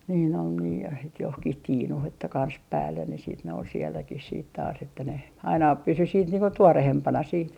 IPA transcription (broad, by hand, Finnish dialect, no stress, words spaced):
niːn ol niː jɑ het johkih tiːnuh etːæ kɑns pæːlːen ne siːt ne ol sielːækih siːt tɑːs etːæ ne ɑinɑ pysy siːt niːŋ ko tuorehempɑnɑ siːt